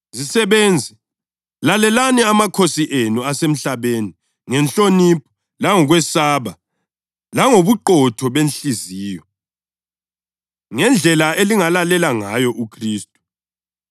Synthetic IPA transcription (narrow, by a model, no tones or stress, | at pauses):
zisɛβɛːnd͡zʱɛ | lalɛlanɛamakʰosiʔenuasem̩ɬaβeni | ŋɛnt͡ɬonip̚ʰɔ̥ | laŋɔɣwɛsaːβa | laŋoβuǃɔtʰɔβenɬiziːjɔ | ŋɛnd͡ɮʱɛlaeliŋalalɛlaŋajɔʔukʰriːstʼu̥